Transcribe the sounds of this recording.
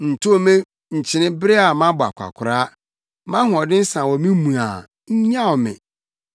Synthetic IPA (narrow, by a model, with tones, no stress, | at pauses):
n̩˨tʰo˦˨mẽ˦ | ɲ̩˨t͡ɕʰɪ̃˨nɪ̃˦bɪ˦ɾɪ˦a˨mã˦bʊ˨a̰˨kʷʰa̰˨kʷʰʊ˨ɾa˦ | mã˦hʊ̃˨ɔ˨dɪ̃˦n̩˦sã˨wɔ˨mĩ˦mũ˨a̰˨ | ɲ̩˦ɲã˦ɔ˨mɪ̰̃˨